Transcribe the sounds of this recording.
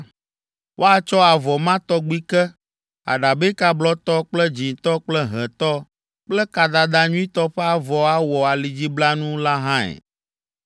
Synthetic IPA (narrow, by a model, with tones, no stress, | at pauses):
wʔo˦a˦t͡ʃɔ˦a˨vɔ˨mã˦t̪ɔ˦ɡ͡bi˦kɛ˦ | a̰˨ɖa˨be˦ka˦blɔ˦t̪ɔ˦k͡plɛ˦d͡ʑi˨t̪ɔ˦k͡plɛ˦ɦɛ̃˨t̪ɔ˦ | k͡plɛ˦ka˨d̪a˨d̪a˨ɲũ˦i˦t̪ɔ˦ɸe˦a˨vɔ˨a˦wɔ˨a˨li˨d͡ʑi˦bla˦nũ˦la˦ɦã˦ɛ̰˨